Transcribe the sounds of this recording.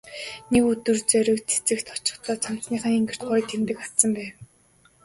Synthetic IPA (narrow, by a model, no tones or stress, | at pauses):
nekut̪ɵ̆rt͡sœɾɵ̆kt͡sʰe̥t͡sɘ̆kt̪ʰɔ̥t͡ɕɪ̆χt͡s̪ɔːt͡sʰam̥t͡sniːχăŋiŋɡɘ̆r̥t̪̚ɢʊːt̪ʰemt̪ɘ̆kḁsə̆mpæːw